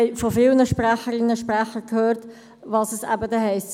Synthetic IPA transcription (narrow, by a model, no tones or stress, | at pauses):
ɛɪfɔfɪlnəʃpræχəɾɪnːəʃpɾæχəkʰhøːɾt | ʋɑːsəsæ̰bədɛɦɛɪst